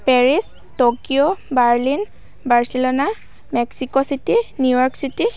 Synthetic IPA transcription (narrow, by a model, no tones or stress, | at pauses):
pɛɹis | tokiobaɹlin | baɹsilɔna | mɛksikɔsitinjujɔɹksiti